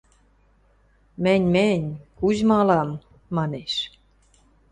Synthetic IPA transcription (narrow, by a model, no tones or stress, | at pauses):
mɘ̆nʲmɘnʲkuʑmɑlɑmː | ɑneʃ